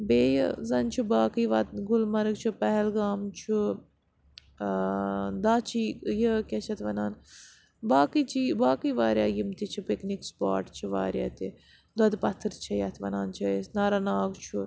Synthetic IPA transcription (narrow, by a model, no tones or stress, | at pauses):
beːjə̰zɐnt͡ʃʰubaːkiʋɐt̪ɡulmɐɾɨɡt͡ʃʰupɛɦɛlɡaːmt͡ʃʰu | d̪aːt͡ʃʰijəkʲɐt͡ʃʰɐt̪ʰʋɐnaːn | baːkit͡ʃʰibaːkiːʋaːɾʲjaːjimt̪it͡ʃʰipiknikspa̰ːʈt͡ʃʰiʋa̰ːɾʲja̰ːt̪i | d̪ɐd̪pɐt̪ʰːɨɾt͡ʃʰɐjɐt̪ʰʋɐnaːnt͡ʃʰɐsnaːɾanaːɡt͡ʃʰu